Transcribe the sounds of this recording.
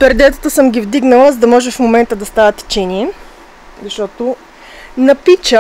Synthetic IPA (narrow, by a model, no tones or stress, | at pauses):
pɾɛd̪ɛt̪ət̪əsəmɡʲivd̪iɡnəlˠəzɐd̪ɐmɔʒɛfmomɛnt̪əd̪ɐst̪avət̪ɛ̥t͡ʃɛniɛ | zɐʃt̪ɔt̪o | nɐpit͡ʃə